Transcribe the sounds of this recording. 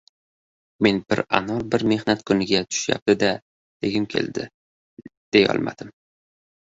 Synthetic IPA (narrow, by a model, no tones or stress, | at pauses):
me̞nbɪɾa̰nɒlˠbɪɾme̞hnat̪kʰʊnɪɡʲat̪ʰʊ̥ʃja̰p̚t̪ɪd̪a | d̪̥eɡʲɪmkʲʰe̞̰ld̪ɪ | d̪̥ejɒ̰lˠmʔa̰d̪̥ɪm